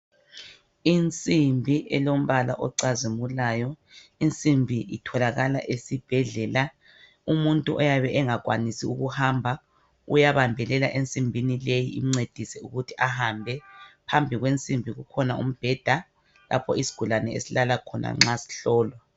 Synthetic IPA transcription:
int͡sʼimbʱiʔɛlom̩βala̰ʔɔǀazimulajɔint͡sʼimbʱiʔitʰɔlaɣala̰ʔesib̥ʱɛɮɛla | umuntʼuʔɔjaβɛʔɛŋaɣwanisiuɣuhambʱa | ṵjaβambʱɛlɛlaʔent͡sʼimbʱinilejiiŋ͡ǀed̥ʱisɛuɣutʰi̥ahambʱɛpʰambʱiɣwent͡sʼimbʱiɣukʰɔnaṵm̩b̥ʱɛd̥ʱa | lʔa̰pʰɔ̰isi̥ɡ̥ʱulanɛḛsilalakʰɔnʔa̰ŋ͡ǁasi̥ɬɔːlwa

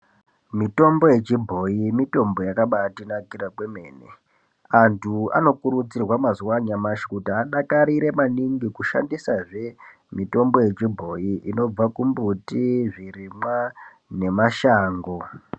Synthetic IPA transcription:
mito̞mbo̞je̞t͡ʃibʱo̞imito̞mbo̞jakaɓatinakirakwe̞me̞ːnḛ | antʰua̰no̞kuɾud͡zirwamazuwaɲamaʃi̥kutiaɗakaɾiɾe̞maniŋɡikuʃa̰ndisaʐe̞ | mito̞mbo̞je̞t͡ʃibʱo̞iino̞b͡vakumbutiʐirima | ne̞maʃaːŋɡo̞

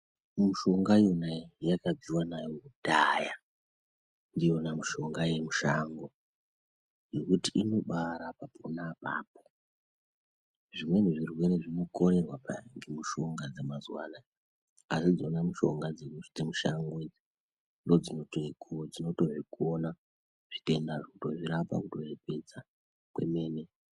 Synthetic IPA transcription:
muʃo̞ŋɡajonajakad͡ziwanajoudaja | ndijo̞namuʃo̞ŋɡaje̞muʃaŋɡo̞ | jekutiino̞ɓaɾapapʰonapa̰ːp̚o | ʐimwe̞niʐirwe̞ɾeʐino̞ko̞ɾe̞rwapaŋɡemuʃo̞ŋɡad͡zemazwa̰ːna | asid͡zonamuʃo̞̰ŋɡad͡zekut͡ʃi̥temuʃaŋɡod͡zi | ndod͡zinotokud͡zino̞to̞wekuona | ʐ̥ite̞ndaʐokuto̞ʐiɾapa̰kuto̞jepe̞d͡za | kwe̞̰me̞ːne̞

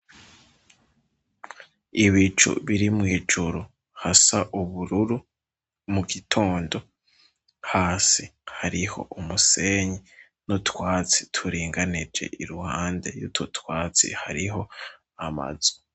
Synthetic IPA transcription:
iβit͡ʃṵβiɾimŋiːd͡ʒuɾu | hasaʔuβuɾuɾu | muɡitʰo̞ːndo̞ | haːsihaɾiho̞̰ʔumuse̞ɲi | notwaːt͡si̥tʰuɾiːŋɡanid͡ʒe̞̰ʔiɾuhaːnde̞̰jutʰotwaːt͡sḭhaɾiɦo̞ | ama̰z̥o̥

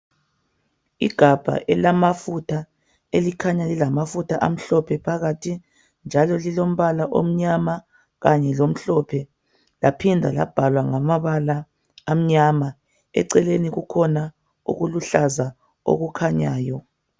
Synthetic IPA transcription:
iɡ̥ʱab̥ʱa̰ʔɛlamafutʰa | elikʰaɲalilamafutʰaʔam̩ɬɔpʰɛpʰaɣatʰi | nd͡ʒʱalɔlilom̩βalaʔom̩ɲama | ɣaɲɛlom̩ɬɔpʰɛ | lapʰindʱa̰la̰b̥ʱalwaŋamaβalaː | m̩ɲama | ɛ̰ǀɛleniɣukʰɔna | ṵɣuluɬaza | o̰ɣukʰaɲaːjɔ

